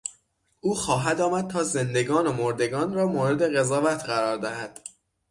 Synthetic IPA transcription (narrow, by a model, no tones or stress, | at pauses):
ʔuːxɒːɦæd̪ɒːmæd̪̥̚t̪ʰɒːze̞nd̪e̞ɡɒːnomoɾd̪e̞ɡɒːnrɒːmoːɾe̞d̪e̞ɣe̞zɒːvæt̪ʰɢæɾɒːɾd̪æhæd̪̥